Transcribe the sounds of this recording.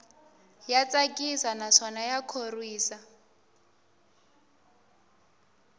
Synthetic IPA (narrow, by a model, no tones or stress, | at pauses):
jat͡sʼakʼisanaʂɔnajakʰorwiːsa